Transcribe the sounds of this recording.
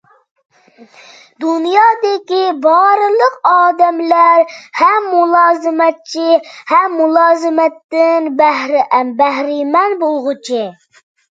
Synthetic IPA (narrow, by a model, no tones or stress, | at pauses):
d̪unjɑːd̪ɪkʲibɑɾɨlˠəqɑːd̪ɛmlæɾhɛmːulˠɑːzɨmɛt̪̚t͡ʃʰihɛmːulˠɑːzɨmɛt̪ːɪnbæhɾʔmbæhɾɪmɛnbolˠʁʊt͡ʃʰɪ